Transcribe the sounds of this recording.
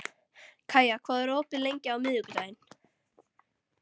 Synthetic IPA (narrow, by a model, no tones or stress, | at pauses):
kʰaːjakʰvaːðɛɾoːpɪlejɲcɪawmɪðʏkʏt̪ajɪn